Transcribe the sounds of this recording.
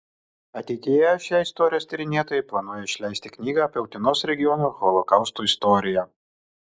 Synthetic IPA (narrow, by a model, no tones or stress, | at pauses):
ɐt̪ʲɛɪt̪ʲijɛʃʲjɛːɪst̪ɔːɾʲɪjoːst̪ʲɐɾʲɪnʲeɛt̪oːjɛɪplˠɐnuɔjɛɪʃʲlʲæˑɪsʲt̪ʲɪknʲiːɡɐɐpʲɛʊt̪ʲɪnoːsɾʲɛɡʲɪjɔnuːɣɔlˠɔkɐʊst̪uːɪst̪ɔɾʲɪjɛ